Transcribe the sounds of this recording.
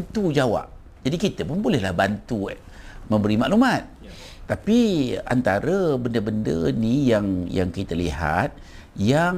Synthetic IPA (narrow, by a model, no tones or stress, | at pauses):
nt̪ud͡ʒawa̰p̚ | d͡ʒadikit̪əpʊnbolɛhlahbant̪u | mə̃mbəɾimaʔlumat̪̚ː | apia̰nt̪aɾəbəndəbəndə̰nijaŋja̰ŋkit̪əliɦa̰t̪̚ | ja